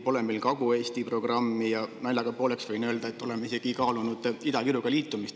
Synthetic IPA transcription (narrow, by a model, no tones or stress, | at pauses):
po̞lemilkɑɡue̞ːst̪ipro̞ɡ̥rɑmːijɑnæilːɑɡ̥ɑpoːleksvɤjnøːld̪ɑet̪ːˑo̞lemeise̞ɡ̥ikɑːlunud̪̥id̪̥ɑkiɾuɡ̥ɑliːt̪ːˑumist̪